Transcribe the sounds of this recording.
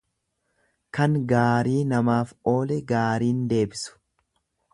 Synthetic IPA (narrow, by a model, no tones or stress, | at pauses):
kɐŋɡaːɾiːnɐmaːfo̞ːlɛɡaːɾiːnd̪e̞ːbɪsʊ̥